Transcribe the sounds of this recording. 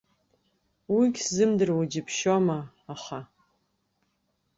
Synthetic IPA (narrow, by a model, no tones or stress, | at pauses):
wiɡʲszɨmdɨrwad͡ʒɪpʰʃomaː | χa